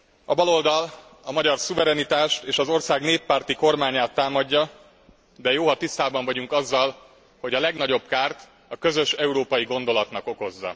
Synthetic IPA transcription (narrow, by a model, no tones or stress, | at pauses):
ɒbɒlo̞ld̪ɒl | ɒmɒɟɒrsuvɛɾɛnit̪aːʃt̪eːʃɒzo̞rsaːɡneːpːaːrt̪iko̞rmaːɲaːt̪ːaːmɒɟːɒ | d̪ɛjoːɦɒt̪ist̪aːbɒɱvɒɟuŋkɒzːɒl | ho̞ɟɒlɛɡnɒɟo̞bkaːrt̪ | ɒkø̞zø̞ʃɛuɾoːpɒjiɡo̞nd̪o̞lɒt̪nɒko̞ko̞zːɒ̰